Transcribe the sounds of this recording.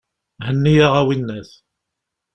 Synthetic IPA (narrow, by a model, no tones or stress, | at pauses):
hənːijaʁæwinːæθ